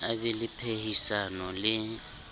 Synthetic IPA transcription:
abɛlɪpʰehisanɔlɪ

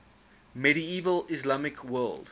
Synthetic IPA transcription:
mɛɾiiːvəlɪslamɪkʰwɜːlˠd̥

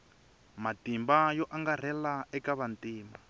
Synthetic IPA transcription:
matimbajɔʔaŋɡar̤ɛlaɛkaβantiːmba

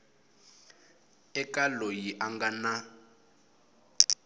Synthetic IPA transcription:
ɛkʼalojiʔaŋɡana

